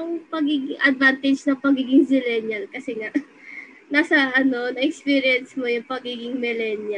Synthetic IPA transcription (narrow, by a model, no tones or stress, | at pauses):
jʊŋpɐɡiːɡɪŋʔɐd̪̚vant̪ɪd͡ʒnɐŋpɐɡiːɡɪŋsɪlɛnjɐlkɐsɛŋaʔ | naːsɐʔɐno̞nɐʔɛkspiːɾɪjɛnsmo̞jʊŋpɐɡiːɡɪŋmɪlɛnjɐ